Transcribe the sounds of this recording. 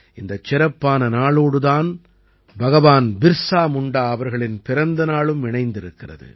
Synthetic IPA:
ʔɪnd̪ɐt͡ʃːɪɾɐpːaːnɐnaːɭoːɽɯðaːn | bɐɣɐʋaːnbɪɾsaːmʊɳɖaːɐʋɐɾɣɐɭɪnpɪɾɐnd̪ɐnaːɭɯmɪɳɐɪnd̪ɪɾɯkːɪrɐ̰ðɯ̰

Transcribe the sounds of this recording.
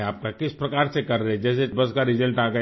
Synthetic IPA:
aːp̚kakɪspɾɐkaːɾsekɐɾːɐɦɛd͡ʒɛːsebɐskaɾɪd͡ʒəlʈaːɡə

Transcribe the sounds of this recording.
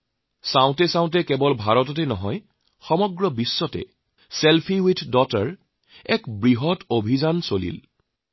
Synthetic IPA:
sãʊ̃tɛsãʊ̃tɛkɛbɔlbʱaɹɔtɔtɛnɔɦɔj | xɔmɔɡɹɔbisːɔtɛ̰ | sɛlpʰiwitdɔtaɹ | ɛkbɹiɦɔtʰobʱizansolḭl

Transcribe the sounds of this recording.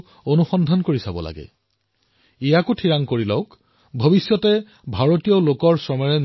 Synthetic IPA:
onuxɔndʱankoɹisabɔ̰la̰ɡɛ̰ | ijakutʰiɹaŋkoɹilɔʊk | bʱobisjɔtɛ | bʱaɹotijɔlokɔɹsɔmɔɹɛn

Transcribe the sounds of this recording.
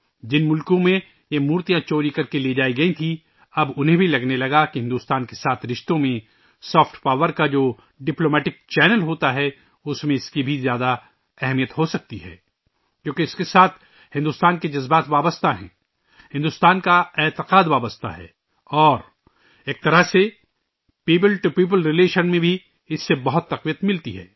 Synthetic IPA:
d͡ʒɪnmʊlkõmẽ | jemuːɾt̪ijãt͡ʃoːɾikɐɾkeled͡ʒaːiɡɐĩt̪ʰi | ɐbʊnɦẽbʱilɐɡnelɐɡakiɦɪ̃nd̪uːst̪aːnkesaːt̪ʰɾɪʃt̪õmẽ | sɔːfʈpaːʋəɾkad͡ʒoː | ɖɪploːmɛːʈɪk̚t͡ʃɛːnəlɦoːt̪aɦɛ | ʊsmẽɪskibʱizjaːd̪a | ɛɦmijət̪ɦosɐk̚t̪iɦɛ̰ː | kjõːkeɪskesaːt̪ʰ | hɪ̃nd̪uːst̪aːnked͡ʒɐzbaːt̪ʋaːbəst̪aɦɛ̰̃ː | hɪ̃nd̪ust̪aːnkaeːt̪ɪqaːd̪ʋaːbəst̪a̰ɦɛ̰ː | ɔːɾ | eːk̚t̪ɐɾəɦse | piːp̬əlʈupiːp̬əlɾɪleːʃənmẽbʱi | ɪsːebɐɦʊt̪ːɐqʋijət̪mɪlt̪iɦɛ̰ː

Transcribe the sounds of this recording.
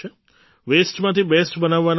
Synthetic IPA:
e | ʋesʈmãt̪ʰibesʈbənaʋːan

